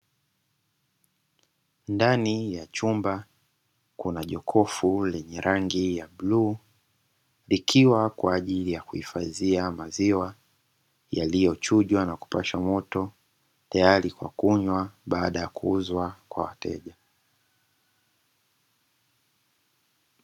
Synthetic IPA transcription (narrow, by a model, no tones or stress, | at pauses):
ndanijat͡ʃumba | kunaʄɔkʰɔfulɛɲɛɾʔaŋɡijabluː | likʰiwakwaːʄilijakuhifaziamaziwa | jalijɔt͡ʃuʄwanaku̥paʃamɔtɔ | tajaɾikwa̰kuɲwaɓaːɗajakuuzwakwa̰wa̰tɛ̰ʄa